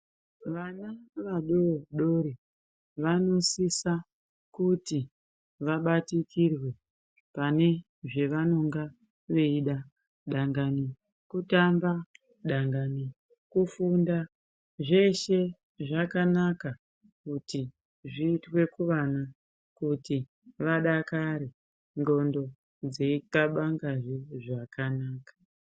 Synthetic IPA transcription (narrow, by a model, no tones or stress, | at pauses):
ʋanaʋaɗoɗo̞ɾi | ʋano̞sisa | kuti | ʋaɓatikirwe̞ | pane̞ | ʐe̞ʋano̞ŋɡa | ʋeiɗa | ɗaŋɡani | kutamba | ɗaŋɡani | kufunda | ʐe̞ʃe̞ | ʐakanaka | kuti | ʐiːtwe̞kuʋana | kuti | ʋaɗakaɾe | ndo̞ndo̞ | d͡zeikaɓaŋɡaʐeʐakanaːkḁ